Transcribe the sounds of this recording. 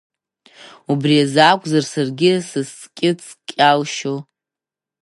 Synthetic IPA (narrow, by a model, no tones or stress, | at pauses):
ubriazakʷʼzarsarɡʲɪsɨst͡sʼkʲʼɪt͡sʰʼkʲʼalʃo